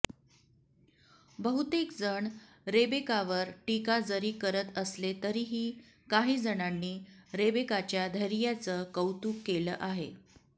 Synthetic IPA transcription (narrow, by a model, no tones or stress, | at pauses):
bəɦut̪ekd͡zəɳ | ɾebekaʋəɾʈikad͡zəɾiːkəɾət̪əslet̪əɾiːɦiː | kaɦiːd͡zəɽanːiːɾebekat͡ɕjad̪ʱəɾijat͡səːkəwt̪uːkːeləːʔaɦe